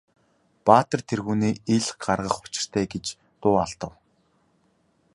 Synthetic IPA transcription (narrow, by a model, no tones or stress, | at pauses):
paːt̪ə̆rt̪ʰerɣuːniːeɮχɢarʁə̆χʊ̥t͡ɕɪ̥̆r̥t̪ʰæːɡet͡ɕ | t̪ʊːaɮt̪ə̆w